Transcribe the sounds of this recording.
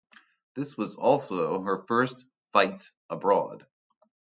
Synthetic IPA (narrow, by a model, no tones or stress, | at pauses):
ðɪswʌzɔlˠsoʊə˞fɜ˞st | faɪt | ʔəbɹɔ̰d̥